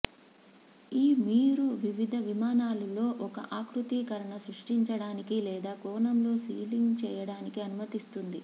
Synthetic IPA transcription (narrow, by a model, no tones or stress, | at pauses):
iːmiːɾuʋiʋid̪ʱɐʋimaːnaːlulo̞ːʔɔkɐ̰ʔaːkɾut̪iːkɐɾɐɳɐsɾuʂʈiɲt͡ʃɐɽaːnikilɛːd̪aːkɔːnɐmlo̞ːsiːliŋɡt͡ʃɛːjɐɽaːnikiɐnumɐt̪ist̪und̪i